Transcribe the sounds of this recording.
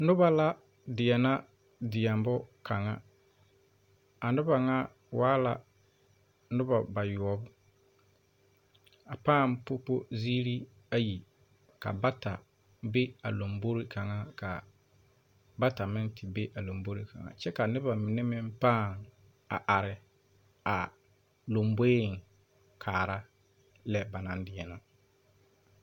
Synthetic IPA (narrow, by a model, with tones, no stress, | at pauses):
nʊ˦βa˦la˦ | dɪ˨ɛ˨na˦ | dɪ˨ja˨mbʊ˦kʰa˨ŋa̰˦ | a˨nʊ˦ba˨ŋa˦ | wʔaː˦la̰˨ | nʊ˦ba˨ba˨jʊ˨ɔ˨bʊ˦ | a˨paː˦˨mpo˦po˦ziː˦ɾi˦ | a˦ji˨ | ka̰˨ba˦ta˨ | be˦a̰˨lo˨mbo˦ɾi˦ka˨ŋa˦ka˨ | ba˦ta˨mɪ˦ntɪ˨be˦ʔa˨lo˨mbo˦ɾi˦kʰa̰˨ŋa̰˨t͡ʃɛ˦ka˨nɪ˦βa˨mɪ˨nɛ˦mɪ˦mpaː˦˨ŋ | a̰˨ʔa˨ɾɪ˨ | a˨ | lo˨mbo˦˨ŋ˨ | kʰaː˨ɾa˦ | lɛ˦ba˨nã˨n˦dɪ˦ɛ˦na˦